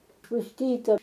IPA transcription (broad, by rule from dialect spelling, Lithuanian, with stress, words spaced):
pʊsʲˈtʲiːtɐ